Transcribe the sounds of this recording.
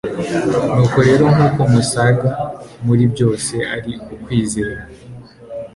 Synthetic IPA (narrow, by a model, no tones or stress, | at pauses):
nuːko̞ɾe̞ːɾo̞ŋuːko̞musaɡamuɾibɟo̞ːse̞aɾiukwiːzeːɾa